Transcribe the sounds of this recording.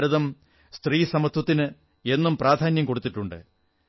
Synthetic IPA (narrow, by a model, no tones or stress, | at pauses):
ɾɐðɐm | st̪riːsɐmɐt̪wɐt̪ːinɨ | e̞nːumpraːd̪ʱaːnjɐmko̞ɽut̪ːiʈːuɳɖɨ̰